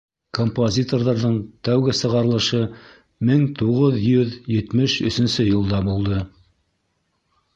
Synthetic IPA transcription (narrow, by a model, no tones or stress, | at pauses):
kompozʲit̪o̞rðɑɾðɤɴt̪æwɡɘsɤ̆ʁɑɾɤ̆lˠɤ̆ʃɤ | mɘŋt̪uʁɤðjɵðjɘ̆t̪mɘʃɵ̆sɵ̆nsɵjɤ̆lˠd̪ɑmbulˠd̪ɤ